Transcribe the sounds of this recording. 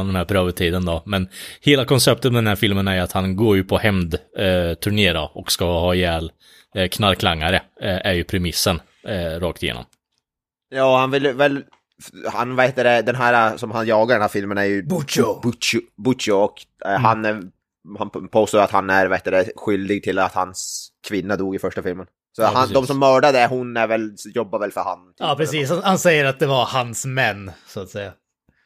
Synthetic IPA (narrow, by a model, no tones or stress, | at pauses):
nd̪ɛnhæːɾpʰɾøːvət̪ʰiːd̪ənd̪ɔmɛnheːlakʰɔnsɛp̚t̪ət̪mɛd̪ɛnhæɾfɪlmənæɾjat̪hanɡoːɾjɵpʰɔhɛmd̪t̪ʰɵɳeːɾaɔkskahɑːjɛːl | kʰnaɾkʰlaŋːaɾəʔæɾjɵpʰɾɛmɪsːən | ɾɑːk̚t̪ɪjḛːnɔ̰m | jɑːɔhanvɪlːvɛl | hanvaɾheːt̪ːad̪ɛd̪ɛnɦæːɾasɔmhanjɑːɡaɾɖɛnhæːɾfɪlmənæɾjɵbbbʊt͡ʃʊɔkɦanæ | hanpʰoːst̪oːat̪hanæɾvaheːt̪ad̪ɛɧʏld̪ɪɡ̚t̪ʰɪlat̪hanskʰvɪnːad̪uːɡɪfœʂʈafɪlmən | sɔhand̪ɔmsɔmːœːɖad̪əæɦʊnæɾvɛljɔbːaɾvɛlfœɾha̰nːt̪ʰɑːpʰɾɾɛsiːshahansɛjːəɾat̪̚d̪ɛvaɾhansmɛnːsʊat̪sɛjːa